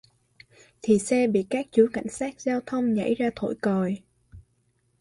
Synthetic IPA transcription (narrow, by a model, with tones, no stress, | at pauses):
t̪ʰi˨˩sɛ˧ɓḭ˧˨kaː˦˥k̚t͡ɕu˧˨˦ka̰˧˩jŋ̟saː˦˥k̚zaː˧wt̪ʰə˧wŋ͡mɲa̰˧˥jzaː˧t̪ʰo̰˧˨jkɔ˨˩j